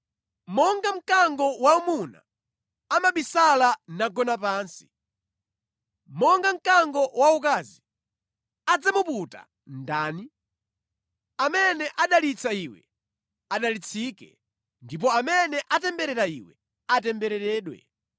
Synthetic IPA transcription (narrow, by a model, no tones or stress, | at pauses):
mɔŋɡam̩kaŋɡɔwaumuna̰ː | maɓisalanaɡɔnapaːnsi̥ | mɔŋɡam̩kaŋɡɔwaukazi | ad͡zamuputa̰ | ndaːni | amɛnɛʔaɗalit͡saiwɛ̰ | aɗalit͡sʰikɛ̰ | ndip̬ɔamɛnɛʔatɛmbɛɾɛɾaiwɛ | atɛmbɛɾɛɾɛːɗwɛ̰